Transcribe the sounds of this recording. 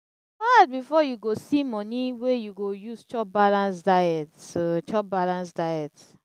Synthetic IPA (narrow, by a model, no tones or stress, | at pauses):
at̚bifɔjuɡosimɔniwejuɡojuzt͡ʃɔp̚balãns̬daɛtot͡ʃɔp̚balãns̬daɪɛts